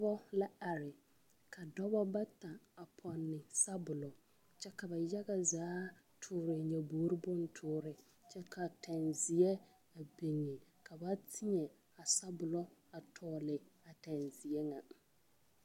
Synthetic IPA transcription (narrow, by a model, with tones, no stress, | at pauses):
ɔ˦bɔ˦la˦a˨ɾɪ˨ | kʰa˨dɔ˦bɔ˦ba˦ta˨a˨pʰɔ˨nːɪ˨sa˦bʊ˨lɔ˨ | t͡ʃɛ˦ka˨ba˨ja˦ɣa˨zaː˨˦ | tʰʊː˨ɾɪ˨ɲa˨buː˨˦ɾi˦bʊ˦n̩˦tʰʊː˦ɾɪ˨ | t͡ʃɛ˦ka˨tʰa˨nzɪ˨ɛ˦ | a˨be˨ŋːe˨ | ka˨ba˦tʰɪ˦ɲɛ˨ | a˨sa˦bʊ˨lɔ˦a˨tʰɔː˨˦˨lɪ˨a˨ta˨nzi˨ɛ˦ŋa˨